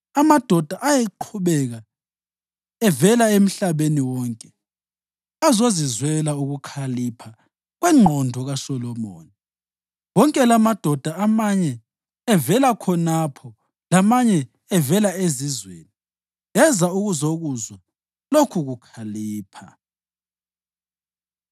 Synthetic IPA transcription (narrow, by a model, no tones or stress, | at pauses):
amad̥ʱɔd̥ʱaʔajɛǃʰuβɛɣa | ɛvɛlaem̩ɬaβeniwɔːŋkʼɛ | azozizwɛlauɣukʰalipʰa | ɣwɛŋ͡ǃʱɔndʱɔɣaʃɔlɔmoːni | wɔŋkʼɛlamad̥ʱɔd̥ʱaamaɲɛː | vɛlakʰɔnapʰɔ | lamaɲɛ | ɛvɛlaezizweːni | ɛzauɣuzoɣuzɔ | lokʰuɣukʰaliːpʰa̰